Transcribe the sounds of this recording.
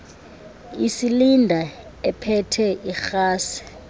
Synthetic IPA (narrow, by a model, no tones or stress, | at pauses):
isilindʱa | ɛpʰɛtʰɛʔixaːsi̥